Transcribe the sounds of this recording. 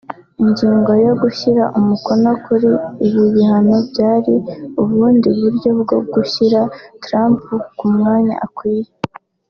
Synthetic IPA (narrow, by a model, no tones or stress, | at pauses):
iɲɟiːŋɡo̞jo̞ɡuʃiɾaʔumuko̞no̞kuɾiːβiβihanobɟaːɾiuβuːndiβuɾjo̞bɡo̞ɡuçiɾatɾaːmpukumŋaːɲa̰ʔakwiːje